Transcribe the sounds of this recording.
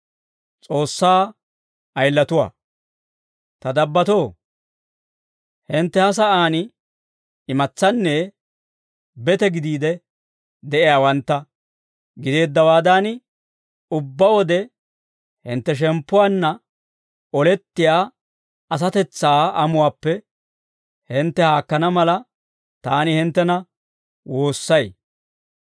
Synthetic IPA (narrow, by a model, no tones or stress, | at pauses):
t͡sʼo̞ːsːaː | ɐjlːɐt̪ʊwa̰ː | t̪ɐd̪ɐbːɐt̪o̞ː | hɪnt̪ːɛhɐs̬ɐʔaːn | ɪmɐt͡sːɐnːɛ | bɛt̪ɛɡɪd̪iːd̪ɛ | d̪ɛʔɪjaːwɐnt̪ːɐ | ɡɪd̪e̞ːd̪ːɐwaːd̪an | ʊbːɐwɔd̪ɛ | hɪ̰nt̪ːɛʃ̬ɛmpːʊwaːnːɐ | ɔlɛt̪ːɪjaː | ɐs̬ɐt̪ɛt͡sːaːɐmʊwaːpːɛ | hɪnt̪ːɛhaːkːɐnɐmɐlɐ | t̪aːnɪhɪnt̪ːɛnɐ | wo̞ːsːɐj